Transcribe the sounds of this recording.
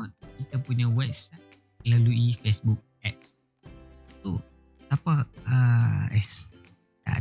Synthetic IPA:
ɔt̪̚kit̪apuɲawɛp̚sat̚ | laluifesbuk̚ɛt̪̚ | so | t̪apaəɛ | da̰

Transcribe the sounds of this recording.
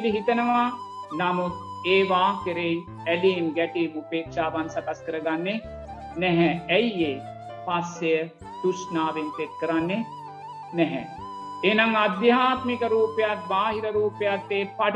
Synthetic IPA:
liɦit̪ɐnɐʋaːnɐmut̪̚eːʋaːkəɾej | ɛliːmɡɛʈiːmupeːkʃaːʋansɐkɐskəɾɐɡanːe | nɛɦɛɛjeː | pasːejə | t̪uʃnaːʋent̪et̪̚kəɾanːe | nɛɦɛ̰ | enɐŋɐd̪jɐɦaːt̪mikɐɾuːpɐjat̪̚baːɦiɾɐɾuːpɐjat̪ːeːpɐʈ

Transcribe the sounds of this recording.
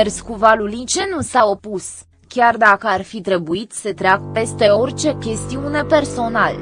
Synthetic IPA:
erskuvalulit͡ʃenusao̞pus | kʲard̪akəarfit̪ɾe̞buit̪sət̪ɾeakpe̞st̪e̞o̞rt͡ʃe̞kʲe̞st̪iune̞pe̞rso̞nal

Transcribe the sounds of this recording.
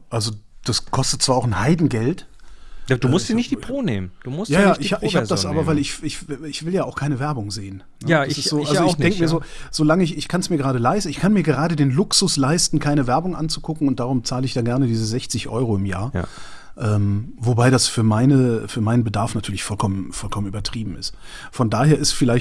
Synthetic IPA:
ʔalzod̥askʰɔstət̚t͡sv̥aːɐaʊxn̩haɪdn̩ɡɛltjauːmʊsd̥iːnɪçtd̥ipʁoːnḛːmd̥uːmʊsjaːjaːʔɪhaɪçhaəd̥asʔaːbɐvaɪlɪçɪçɪçv̥ɪljaːaʊkʰaɪnəvɛɐbʊŋzeːən | nəaasɪszoːʔaloɪdɛŋkmiːɐzoːz̥oːlaŋəɪçɪçkʰansmiːɐɡəʁaːdəlaɪstn̩ɪçkʰanmiːɐɡəʁaːdədeːnlʊksʊslaɪstn̩kʰaɪnəvɛɐbʊŋʔant͡su̥ɡʊkŋ̩ʊntd̥aːʁʊmt͡saːləɪçd̥aːɡɛɐnədiːzəzɛçt͡sɪçʔɔ̰ʏʁoɪmja̰ːɐ̰ | ʔɛːmvobaɪdasfyːɐmaɪnəfyːɐmaɪnənbədaɐfnatʰyːɐlɪçfɔlkʰɔmənfɔlkʰɔmənyːbɐtʁ̥iːbm̩ɪ̰stfɔndaːheːɐɪstfɪlaɪçt

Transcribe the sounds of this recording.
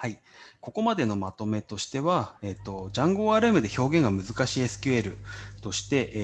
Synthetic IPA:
hai | ko̞ko̞mad̪e̞no̞mat̪o̞me̞t̪o̞ɕi̥t̪e̞βae̞t̪ːo̞d͡ʑãŋɡo̞ːaːɾɯ̟emɯ̟d̪e̞ço̞ːɡẽ̞ŋɡamɯ̟zɨkaɕiesɨ̥kʲɯe̞ɾɯ̟t̪o̞ɕi̥t̪e̞ʔ

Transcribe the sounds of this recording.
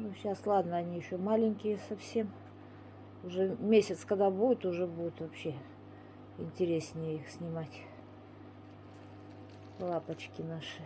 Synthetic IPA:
nuɕaslˠad̪nəɐnʲiɪɕːomalʲɪnʲkʲɪjəsɐfsʲe̞m | ʊʐɛmʲesʲɪt̪skɐd̪abudʲɪt̪ʊʐɛbudʲʊt̪vɐpɕːe | ɪ̰nʲtʲɪɾʲesʲnʲɪjəixsʲnʲɪmatʲ | lˠapət͡ɕkʲɪnaʂɨ

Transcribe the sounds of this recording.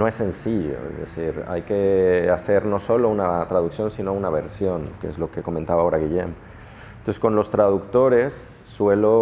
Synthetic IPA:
noesːensiʎo̰ḛzðḛθiɾa̰jkeaseɾnosolounat̪ɾað̞uksjõnsinounaβ̞eɾsjoŋkeḛzlokekomẽnt̪aβaoɾaɣ̞iʎḛm | t̪onseskonlost̪ɾað̞ukt̪oɾesː | welo

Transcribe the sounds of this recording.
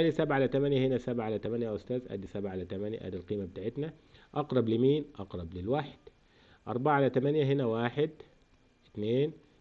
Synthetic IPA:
ʔæd̪isabʕalat̪amænjahɪnæsabʕaʕalæt̪amanjaʔʊst̪æːzʔæ̰d̪isabʕaʕalæt̪amænja̰ʔæ̰ːd̪alqiːmabɪt̪aːʕɪt̪naʔɑqɾˤɑblɪmiːnʔɑqɾˤɑblɪlwaːħɪ̥d̪̥ | ʔɑ̰ɾˤbaʕaʕalat̪amænjaɦɪnæwaːħɪd̪ | ɪt̪neːn

